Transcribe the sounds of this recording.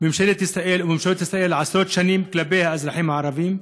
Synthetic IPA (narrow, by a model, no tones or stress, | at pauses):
mɪmʃelet̪ɪsaʔeːlwmɪmʃelːt̪ɪsaʔeːlʕasɾoːt̪ʃaniːmklabeːhaʔazɾˤɑħiːmʕaʕɾˤɑviːm